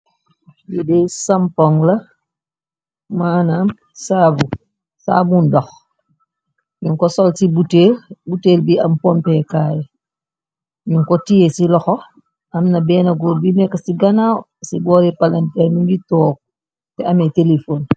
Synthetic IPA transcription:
jidɛjsampɔŋlɐ | maːnaːm | saːbu | sa̰ːbundɔx | ɲuŋkɔsɔlsibuteːlbuteːlbiʔɐmpɔmpɛkaːjɐ | ɲuŋkɔtijesilɔxɔ | ɐmnɐbɛːnɐɡɔbimɛkːɐsiɡɐnaw | sibɔːɾɛpalantɛɾnuɲɡitɔːk̚ | tɛɐmɛtelefoːn

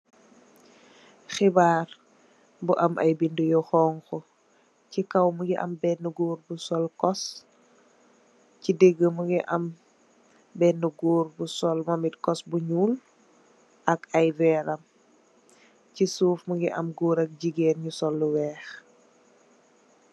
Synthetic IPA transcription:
xibaːr | buʔɐmʔɐ̰jbindujɔxɔːŋkɔ | cikɐwmuɡiʔɐ̰mbɛnːuɡuːɾbusɔlkɔs | cideɡːəmuɡiʔɐm | bɛnːuɡuːɾbusɔlmɐmitkɔsbuɲuːl | ʔɐkɐjvɛːɾɐm | cisuːfmuɡiʔɐmɡuːɾɐk̚ɟiɡɛːnɲusɔlːuwɛːx

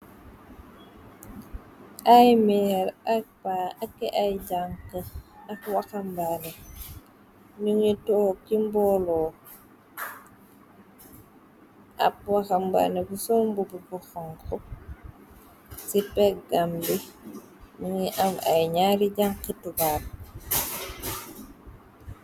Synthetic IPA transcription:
ʔajmɛɾak̚baakːɛʔajɟaŋkəakwaxambane | nuŋitɔːkimbɔlɔː | ʔa̰p̚waxamba̰ːnebusɔmbububɔxɔŋkɔ | sipɛk̚ɡambi | nuŋiʔama̰jɲaːɾiɟaŋkitubal

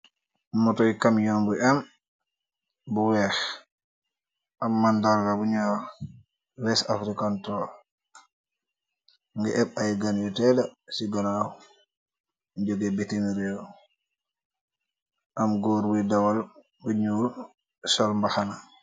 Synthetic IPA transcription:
mɔtɔjkamjɔmbuʔɛm | buwɛːx | ʔamːandalɡabuɲɔːɾ | wɛsafɾikantɔː | ŋɡɛʔɛb̚ajɡanjɔtɛdasiɡanaw | ɲd͡ʒoɡɛbɛteniɾjɔ | ʔamɡoːɾwidawal | buɲuː | sɔlmbaxana

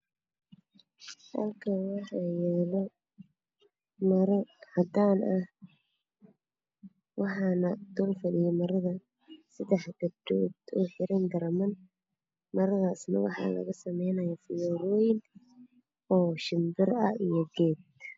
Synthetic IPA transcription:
d̪ɐlkʰɐwɑħɑjɛːlɔ | mɐɾɐhɐd̪aːnʔɐh | wɑħɑːnɐd̪̥ɔːlfɐɽɪjɛmɐɾɐðɐ | sɐd̪ɛħɡɐdɔːd̪ɔ̰ːħɪɾɐnɡ̪ɐɾmɐn | mɐɾɐðaːsnɐ̰wɑħɑ̰ːlɐ̰ɣɐsɐmɛjnɐjafɪjɔɾɔːjɪn | ɔːʃɪmbɪrɐijɔɡɛːd̪

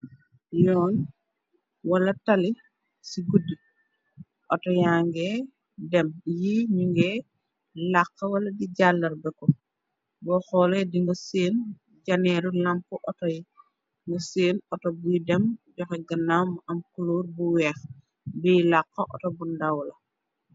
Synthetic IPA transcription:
jɔːn | wɐlɐtali | siɡudːi | ʔɔtɔjaŋɡɛ | dɛmjiɲuŋɡɛ | lakːɐwɐlɐdiɟalːɐɾbɛkɔ | bɔxɔlediŋɡɐseːn | ɟanɛɾulampuʔɔtɔji | ŋɡɐseːnɔtɔbujidɛmɟɔxɛɡɐnamʔɐmkuluɾbuwɛːx | bijilakːɐʔɔ̰tɔbundawlɐ

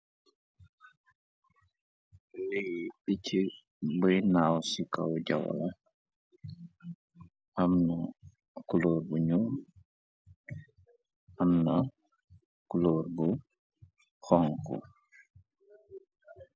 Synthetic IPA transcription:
lejɗit͡ʃi | bəjnawsika̰wd͡ʒa̰wa̰la | ʔamna | kuloɾbuɲu | ʔamna | kuloɾbu | hɔŋkɔ̰

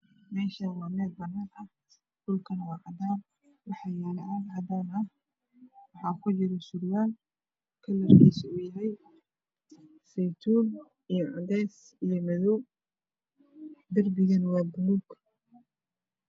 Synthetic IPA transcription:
mɛːʃɐnwaːmɛːd̪bɐnaːnɐ | ɖ̥ʊlkʰɐnɐwɑqɑd̪aːn | wɑħɑːjaːlɐʔaʕɑd̪aːnɐh | wɑħɑːkʰʊt͡ʃɪɾɔsuɾɪjaːl | kʰɐlɐrkʰiːsɐʊjɐɦɛj | sɛjt̪ʰuːn | ijɔʕʊd̪ɛːs | ijɞmɛðɔw | d̪ɐrbɪɣɐnwɑːbʊnuɡ

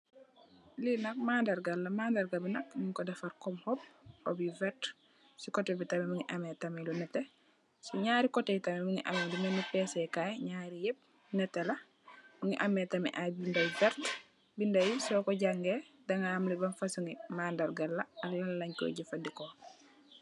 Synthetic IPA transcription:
linɐk̚maːndɐɾɡɐlːɐmaːndɐɾɡabinɐk̚niŋkɔdɐfaɾkɔmhɔp̚o̰bivɛt | sikɔtɛbitɐmɛmuŋiʔamɛtamɛlunɛtːɛ | siɲaːɾikɔtɛitɐmɛmuŋiʔa̰mɛlunɛnupɛːsɛkajɲaːɾijɛp̚ | nɛtːɛlɐ | muŋiʔamːɛtɐmɛ̰ʔajbindɐjvɛɾt | bindɐjisɔkɔɟaŋɡedɐŋaːmlibɐnfɐsuŋimaːndɐɾɡalːɐɐllɐllɐɲkɔ̰ɟifɐndikɔ

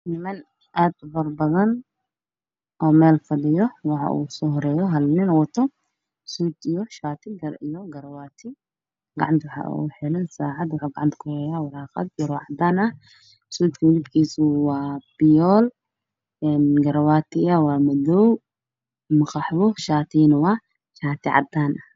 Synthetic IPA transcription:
nɪmɐn | ʔad̪bɐɾbɐðɐn | ʔomelfɐlɪjɔwɐħa̰ʔṵsɔɦɔɾɛːjɔɦɐlninwɔt̪ʰːɔ | sud̪ɪjɔʃaːt̪ʰiɡɐɾʔɪjɔɡɐɾɐwat̪ʰi | ɡɐ̰ʕant̪waħa̰ʔṵħɛlɐnsaʕat̪waħaɡaʕant̪kɔɾejawɐlaxɐ̰t̪̚ɡɐɾɔʕad̪anɐ | suːt̪kilibkʰisuwab̥ijol | nɡɐɾɐwat̪ʰːijawamɐd̪ɔw | mɐxaħbɔʃaːt̪ʰinwa | ʃaːt̪ʰiʕa̰d̪ːanʔa

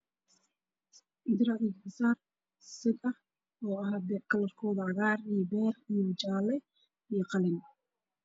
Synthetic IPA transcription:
d̪ɪɾɐʕɪɡħɪsaːr | sɪɡɐh | ɔːɐɦaːbɛkʰɐlɐrkʰɔːðɐʕɑɣaːrijɔbɛːrijɔt͡ʃaːlɛ | ijɔqɑlɪn

